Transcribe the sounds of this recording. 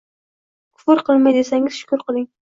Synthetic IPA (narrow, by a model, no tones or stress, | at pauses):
kʰʊ̥fʊɾqʰɨlˠmajd̪esaŋɪz̥ʃʊ̥kʊɾqʰɨlˠɪŋ